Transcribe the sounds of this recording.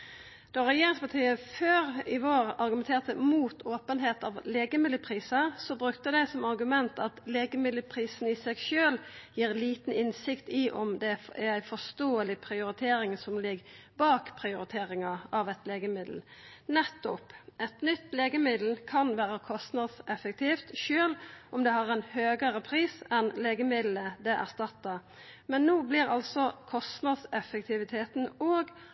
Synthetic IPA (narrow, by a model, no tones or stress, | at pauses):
d̪̥ɔʁɛjeːɾɪŋspɑt̪ʰiːəføːɾɪʋoːʁɑɾɡʉmɛnt̪ʰeːʁt̪əmuːt̪ʰoːpənɦeːt̪ɑʋleːɡəmɪd̪ːəpʰʁiːsəsɔbɾʉkt̪əd̪æɪsɔmɑʁɡʉmɛnt̪ʰɑt̪leːɡəmɪd̪əpʰʁiːsn̩ɪsɛɡʃøːljiːʁliːt̪n̩ɪnsɪkt̪ɪʔɔmd̪ɛæɾæɪfɔst̪oːəlɪpʰɾɪʊɾɪt̪ʰeːɾɪŋsɔmlɪɡ | bɑːkpʰɾɪʊɾɪt̪ʰeːɾɪŋɑʔɑʋɛt̪leːɡəmɪd̪l̩nɛt̪ːʊpʔɛt̪nʏt̪ːleːɡəmɪd̪l̩kʰɑnʋæːɾəkʰɔst̪nɑd̪sɛfək̚t̪ʰiːft̪ʃøːlʔɔmd̪ɛhɑʁɛnhøːɡəɾəpʰɾiːsɛnleːɡəmɪd̪l̩əd̪ɛʔæ̰ʁst̪ɑt̪ːɑ | mɛnːoːblɪɾɑlsɔkʰɔst̪nɑd̪sɛfːək̚t̪ʰɪʋɪt̪ʰeːt̪n̩oːɡ